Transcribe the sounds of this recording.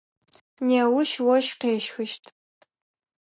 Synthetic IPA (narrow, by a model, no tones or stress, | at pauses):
neːwʊʃwɔʃqeːʃxɨʃtʰ